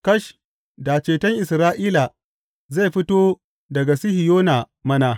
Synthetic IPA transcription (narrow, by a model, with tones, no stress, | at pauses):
kɐ˦ʃ | da˨t͡ʃeː˨tɐ˦ŋʔɪ˨sɾaː˦ʔiː˦la˨ | ze˦˨ɸɪ˦toː˦ | dɐ˨ɡa˨sɪ˦hi˨joː˦na˨ | mɐ˦na˨